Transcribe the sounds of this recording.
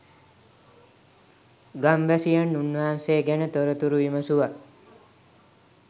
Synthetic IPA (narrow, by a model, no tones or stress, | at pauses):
ɡamʋæsijanːunːaɦanseːɡænət̪oɾət̪uɾuʋiməsuʋa